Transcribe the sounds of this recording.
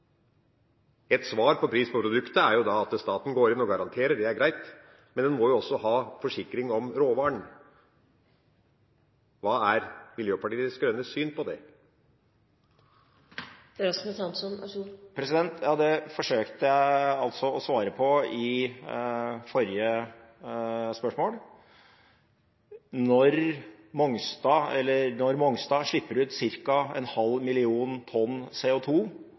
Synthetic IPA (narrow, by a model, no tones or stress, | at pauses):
ɛt̪sʋɑːɾpʰɔpʰɾiːspʰɔpʰɾʊd̪ʉkt̪əæɾjʊd̪ɑɑt̪st̪ɑːt̪n̩ɡoːɾɪnɔɡɑɾɑnt̪ʰeːɾəɖɛæɾɡɾæɪt̪ | mɛnd̪ɛnmɔjʊɔsːɔɦɑːfɔʂɪkɾɪŋɔmɾoːʋɑːɳ | ʋɑːæɾmɪljøːpɑʈiːəsɡɾœnːəsyːnpʰɔd̪ɛ | ɾɑsməsɑnsɔnpʰɾɛsɪd̪ɛnt̪ʰjɑːd̪ɛfɔʂøːkt̪əjæɪɑlt̪sɔɔsʋɑːɾəpʰɔɪ | fɔɾɪə | spœʂmoːl | nɔɾ | mɔŋst̪ɑːɛlːəɾnɔɾmɔŋst̪ɑːʂɭɪpːəɾʉːt̪sɪɾkɑɛ̰nhɑlːmɪlɪuːnt̪ʰɔnːseːʊt̪ʰuː